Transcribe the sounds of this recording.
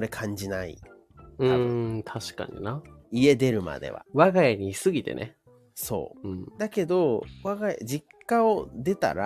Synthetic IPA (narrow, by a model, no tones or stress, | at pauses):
oɾe̞kʰãɲ̟d͡ʑinaḭ | ɯãt̪ʰaɕi̥ka̰ɲ̟ḭnaie̞d̪e̞ɾɯ̟ma̰d̪e̞̰βa̰βaɡajaɲ̟isɨɡʲit̪e̞̰nḛ | so̞̰ːɯ̟̃ɴd̪ake̞d̪o̞βaɡaj̰d͡ʑikːaod̪e̞t̪a̰ɾa